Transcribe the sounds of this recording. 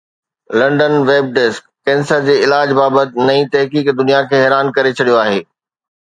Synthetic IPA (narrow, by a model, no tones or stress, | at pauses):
lɐ̃ɳɖənʋeːb̚ɖeskːɛ̃ːnsəɾd͡ʑeːɪlaːd͡ʑbaːbət̪ɪ̆nɐĩt̪ɐɦkiːkd̪ʊnijakʰeːɦɛːɾaːnkɐɾet͡ɕʰɐɽijoaːɦeː